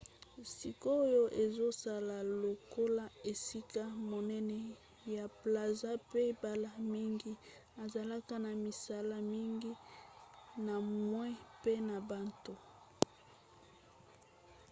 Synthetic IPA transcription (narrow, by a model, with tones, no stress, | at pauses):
si˨ko˦jo˦ʔe˨zo˦sa˨la˨lo˨ko˦la˦e˨si˦ka˦mo˨nɛ˦nɛ˦ | ja˨pla˨za˦pe˦ba˨la˦mi˦ŋɡi˦ | a˨za˨la˦ka˦na˨mi˨sa˦la˦mi˦ŋɡi˦ | na˨mwɛ̃˦pe˦na˨ba˦to˦